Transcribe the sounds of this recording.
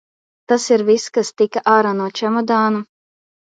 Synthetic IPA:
t̪asiɾviskast̪ikaʔaːɾanuɔt͡ʃɛmɔd̪aːnu

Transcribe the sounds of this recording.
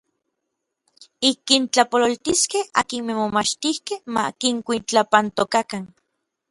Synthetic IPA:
ikint͡ɬapololt̪iskeha̰kinmemomat͡ʃt̪ihkehma̰kiŋkʷint͡ɬapant̪okakan

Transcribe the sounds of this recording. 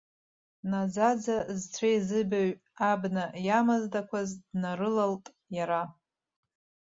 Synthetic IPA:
nad͡zad͡zazt͡sʷʰajzɨbaɥ | abnajamazdakʷʰazdnarɨlaltʼ | jaɾa

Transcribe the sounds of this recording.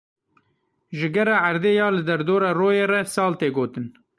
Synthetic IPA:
ʒɨɡɛɾɑːaɾd̪eːjɑːlɨd̪ɛɾd̪oːɾɑːroːjeːrɛsɑːlt̪eːɡoːt̪ɨn

